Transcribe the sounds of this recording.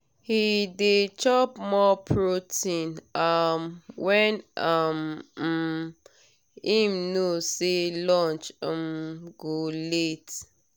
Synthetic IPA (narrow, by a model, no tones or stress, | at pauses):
hidet͡ʃɔpmɔpʰɹotʰĩnamwɛnam̩ | imnoselɔ̃nt͡ʃmɡolet